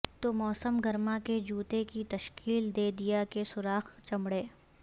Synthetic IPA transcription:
t̪omɔːsəmɡɐɾmaked͡ʒuːt̪ekit̪ɐʃkiːld̪eːd̪ijakesʊɾaːxt͡ʃɐmɽeː

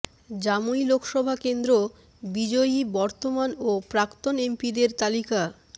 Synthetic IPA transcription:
d͡ʑamuilokʰʃɔbʱakend̪ɾo | bid͡ʑojibɔɾt̪omanopɾakt̪onempid̪eɾt̪alika

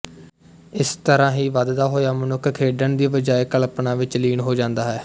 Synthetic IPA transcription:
ɪst̪əɾãːɦiːʋad̪d̪aːɦoːjaːmənʊkʰkʰːeːɖənd̪iːbəd͡ʒaːeːkəlpnãːʋɪt͡ʃliːnɦoːd͡ʒãːnd̪aːɦɛː

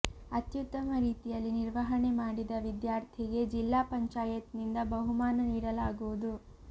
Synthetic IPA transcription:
ɐt̪jut̪ːɐmɐɾiːt̪ijɐlːiniɾʋɐɦɐɳe̞maːɽid̪ɐʋid̪jaːɾt̪ʰiɡe̞d͡ʒilːaːpɐɲt͡ʃaːjɐt̪nind̪ɐbɐɦumaːnɐniːɽɐlaːɡuʋud̪u

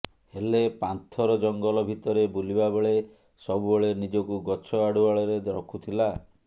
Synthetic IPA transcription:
helepant̪ʰɔɾɔd͡ʒɔŋɡɔlɔbʱit̪ɔɾebulibabeɭe | sɔbubeɭenid͡ʒɔkuɡɔt͡ʃʰɔaɽuaɭɔɾed̪ɾɔ̰kʰut̪ʰila

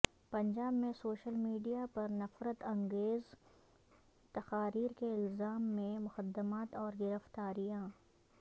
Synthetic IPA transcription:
pɐ̃ɲd͡ʒaːbmẽsoːʃəlmiːɖijapɐɾnɐfɾət̪ɐ̃ŋɡeːz | t̪ɐxaːɾiːɾkeɪlzaːmːẽmʊxəd̪ːəmaːt̪ɔːɾɡɪɾəft̪aːɾijãː

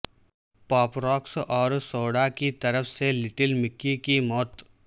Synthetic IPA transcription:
pɔːpɾɔːksɔːɾsoːɽakit̪ɐɾəfʰselɪʈɪlmɪkːikimɔːt̪

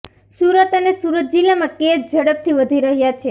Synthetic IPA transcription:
suɾət̪ənesuɾət̪̚d͡ʒilamãkesd͡ʒəɽəp̚t̪ʰiʋəd̪ʱiɾəɦjat͡ʃʰe

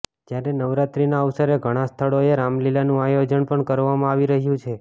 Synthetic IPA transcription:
d͡ʒjaɾenəʋɾat̪ɾinaəʋsəɾeɡʱəɽ̃ãst̪ʰəɭoeɾamlilanũajod͡ʒəɳpəɳkəɾʋamãaʋiɾəɦjũt͡ʃʰe

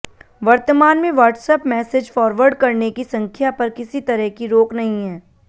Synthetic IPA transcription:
ʋɐɾt̪əmaːnmẽʋɐːɾʈsəpmɛːsed͡ʒfɔːɾʋəɾɖkɐɾnekisɐ̃ŋkʰjapɐɾkɪsit̪ɐɾəɦkiɾoːknɐɦĩɦɛː

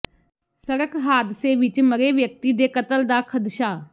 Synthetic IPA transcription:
səɾəkɦaːd̪seːʋɪt͡ʃməɾeːʋjək̚t̪iːd̪eːkət̪əld̪aːkʰəd̪ʃaː

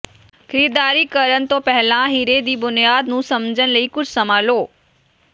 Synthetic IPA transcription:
xʰɐɾiːd̪aːɾikɐɾəñɪ̆t̪opɐɦɪlãɦiɾed̪iːbʊnijaːd̪nũsɐmd͡ʑəñ̆ləikʊd͡ʑʱsɐmaːloː

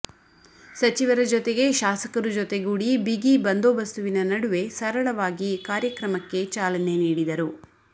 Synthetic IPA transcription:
sɐt͡ʃiʋɐɾɐd͡ʒot̪e̞ɡe̞ʃaːsɐkɐɾud͡ʒot̪e̞ɡuːɽibiɡibɐnd̪oːʋɐst̪uʋinɐnɐɽuʋe̞sɐɾɐɭɐʋaːɡikaːɾjɐkɾɐmɐkːe̞t͡ʃaːlɐne̞niːɽid̪ɐɾu

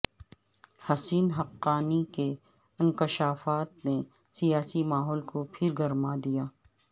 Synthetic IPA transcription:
hɐsiːnɦɐqːaːnike | ɪ̃nkɪʃaːfaːt̪̚ne | sijaːsimaːɦɔːlkopʰɪɾɡɐɾmad̪ijaː

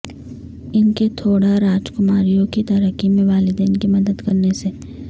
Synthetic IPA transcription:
ɪnket̪ʰoːɽaɾaːd͡ʒkʊmaːɾijõkit̪ɐɾəkimẽʋaːlɪd̪eːnkimɐd̪əd̪kɐɾnese

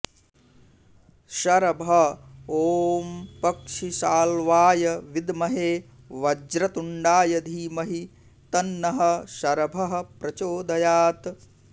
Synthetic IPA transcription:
ʃɐɾɐbʱɐoːmpɐkʂisaːlʋaːjɐʋid̪mɐɦeː | ʋɐd͡ʒɾɐt̪uɳɖaːjɐd̪ʱiːmɐɦi | t̪ɐnːɐɦɐ̆ʃɐɾɐbʱɐɦɐ̆pɾɐt͡ʃoːd̪ɐjaːt̪

